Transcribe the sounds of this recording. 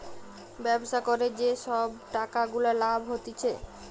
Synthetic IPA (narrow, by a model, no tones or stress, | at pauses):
bɛboʃakɔɾed͡ʑeʃɔbʈakaɡulalabʱɦot̪it͡ɕʰḛ